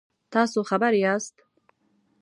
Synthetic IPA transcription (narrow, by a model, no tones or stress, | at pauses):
t̪ʰasuχabaɾiast̪ʰ